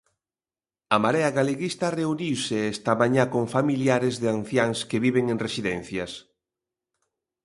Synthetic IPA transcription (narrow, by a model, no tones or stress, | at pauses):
ɐmaɾeaɣaleɣist̪ɐreuniwseɛst̪amaɲakoɱfamiljaɾezðean̟θjaŋskeβiβeŋeŋresiðɛn̟θjɐs